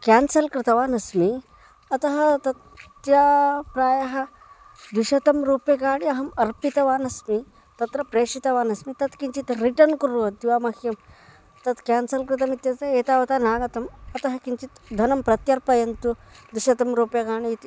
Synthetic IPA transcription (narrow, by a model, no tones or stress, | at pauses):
kaːnsɐlkɾɪt̪ɐʋaːnɐsmi | ɐt̪ɐɦɐt̪ɐt̪ | japɾaːjɐɦɐ | d̪uʃɐt̪ɐmɾuːpjɐkaːɳiɐɦɐmɐɾpit̪ɐʋaːnɐsmi | t̪ɐt̪ɾɐpɾeːʂit̪ɐʋaːnɐsmit̪ɐt̪kint͡ʃit̪ɾiʈɐnkuɾuʋɐd̪iʋaːmɐhjɐm | t̪ɐt̪kaːnsɐlkɾɨt̪ɐmit̪jɐt̪ɐeːt̪aːʋɐt̪anaːɡɐt̪ɐmɐt̪ɐɦɐkint͡ʃit̪d̪ʱɐnɐmpɾɐt̪jɐɾpɐjɐnt̪ud̪uʃɐt̪ɐmɾuːpjɐkaːɳit̪i